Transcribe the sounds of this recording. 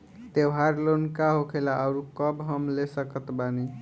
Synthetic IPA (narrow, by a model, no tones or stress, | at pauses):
t̪ewɦaɾlonkaɦokʰelaəʊɾukəbɦəmlesəkət̪bani